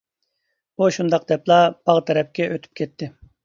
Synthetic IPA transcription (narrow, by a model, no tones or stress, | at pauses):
buʃund̪ɑqd̪ɛplˠɑb̥ɑʁt̪ʰɛɾɛp̚kʲɛʔøt̪ʰy̥p̚kʲʰɛt̪ʰːɪ